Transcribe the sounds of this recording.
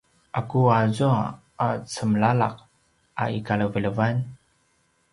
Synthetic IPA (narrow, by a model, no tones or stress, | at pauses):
ʔakuazua | at͡səmɭala̰q̚ | ʔa̰ikaɭəvələvan